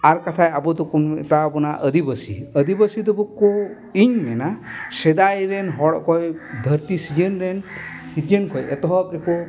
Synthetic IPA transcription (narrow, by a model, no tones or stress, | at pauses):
aɾkat̪ʰajabɔd̪ɔkunt̪abɔnaʔəd̪ibəsḭəd̪ibəsid̪ɔbɔko | iɲmɛnasɛd̪ajɾɛnɦɔɽɔkɔjd̪ʱəɾt̪isid͡ʒənɾɛn | siɾjənkʰɔjɛt̪ɔɦɔt̪̚ɾɛkɔ